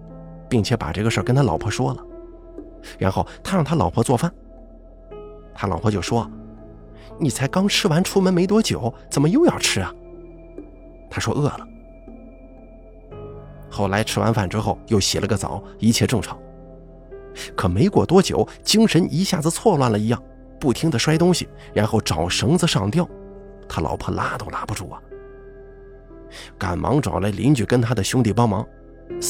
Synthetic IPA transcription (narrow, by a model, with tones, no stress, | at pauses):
pi˥˩ŋt͡ɕʰjɛ˧˥pa̰˨˩ʈ͡ʂɤ˥˩ɡə˩ʂə˞˥˩kə˥nt̪ʰa˥lɑ˨˩ʊpʰɔ˥ʂwɔ˥lə˩ | ɻa˧˥nxo˥˩ʊt̪ʰa˥ɻɑ˥˩ŋt̪ʰa˥lɑ˨˩ʊpʰɔ˥t͡swɔ˥˧˩fa˥˩n | t̪ʰa˥lɑ˨˩ʊpʰɔ˥t͡ɕjo˥˩ʊʂwɔ˥ | ni˨˩t͡sʰa˧˥ɪkɑ˥ŋʈ͡ʂʰɻ̩˥wa˧˥nʈ͡ʂʰu˥mə˧˥nme˧˥ɪt̪̬wɔ˥t͡ɕjo˨˩˦ʊt͡sə˨˩nmə˦jo˥˧ʊjɑ˥˩ʊʈ͡ʂʰɻ̩˥ɐ˨ | t̪ʰa˥ʂwɔ˥ʔɤ˥˩lə˩ | xo˥˩ʊla˧˥ɪʈ͡ʂʰɻ̩˥wa̰˧˥nfa˨˩nʈ͡ʂɻ̩˥xo˥˩ʊjo˥˩ʊɕɛ˨˩lʔə˦ɡə˧t͡sɑ̰˨˩˦ʊ | i˧˥t͡ɕʰjɛ˥˧ʈ͡ʂɤ˥˩ŋʈ͡ʂʰɑ˧˩˥ŋ | kʰɤ˨˩me˧˥ɪkwɔ˨˩t̪wɔ˥t͡ɕjo̰˨˩˦ʊ | t͡ɕi˥ŋʂə˧˥ni˧˥ɕja˥˩d͡zɹ̩˧t͡sʰwɔ˥˧lwa˥˩nlə˩i˧˥jɑ˥˩ŋ | pu˥˩t̪ʰi˥ŋd̪ə˨ʂwa˥ɪt̪ʊ˥ŋɕi˨ | ɻa˧˥nxo˥˩ʊʈ͡ʂɑ˨˩ʊʂɤ˧˥ŋd͡zɹ̩˧ʂɑ˥˩ŋt̪jɑ˥˩ʊ | t̪ʰa˥lʔɑ̰˧˥ʊpʰɤ˥˩la˥t̪o˧ʊla˧˥pu˧ʈ͡ʂu˥˩ɐ˩ | ka̰˨˩nmʔɑ̰˧˥ŋʈ͡ʂwɑ̰˨˩ʊla˥ɪli˧˥nt͡ɕy˨˩kə˥nt̪ʰa˥d̪ə˨ɕjʊ˥ŋt̪̬i˥˩pɑ˥ŋmɑ˧˥ŋ